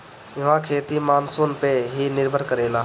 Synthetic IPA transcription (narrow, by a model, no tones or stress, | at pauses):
jɪʋãkʰeːt̪imaːnsoːnpeɦinɪɾbʱəɾkəɾeːlaː